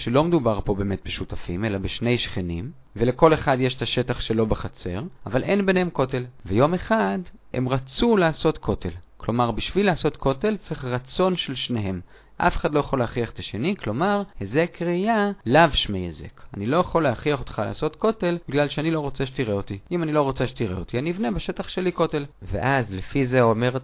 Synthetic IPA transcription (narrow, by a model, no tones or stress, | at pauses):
ʃelo̞med̪ubaʁpo̞be̞ːmet̪̚beʃutafḭme̞labeʃne̞jʃχenim | veleko̞le̞χadjeʃet̪aʃe̞taχʃelo̞beχat͡se̞̰ʁʔavalʔe̞nbenhemko̞te̞lvejo̞meχade̞̰mʁat͡sulaːso̞tkʰo̞te̞̰lklo̞maʁbiʃvilaːso̞t̪kʰo̞te̞lt͡siχʁat͡so̞nʃelʃne̞ɦe̞m | ʔa̰feχad̪lo̞jaχolehaχiaχet̪aʃe̞niklo̞maʁhezekʁijalavʃmejḛzḛkanilo̞jaχo̞lehaχiaχot̪χala̰ːso̞t̪ko̞te̞lbiɡlalʃeanilo̞ʁo̞t͡seʃet̪iʁeot̪iimanilo̞ʁo̞t͡seʃet̪iʁḛot̪ianiivne̞beʃe̞t̪aχʃeliko̞t̪e̞lvḛʔazlefizeome̞ʁ